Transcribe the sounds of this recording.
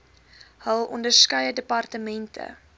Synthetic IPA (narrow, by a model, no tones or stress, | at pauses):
həlˠɔ̰ndərskœjədəpɐrtəmɛntʰə̰